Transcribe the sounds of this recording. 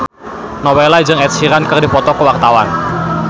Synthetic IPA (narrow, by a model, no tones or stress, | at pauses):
nɔwɛlad͡ʒɨŋɛt̪̚siɾankərdipɔt̪ɔkəwart̪awan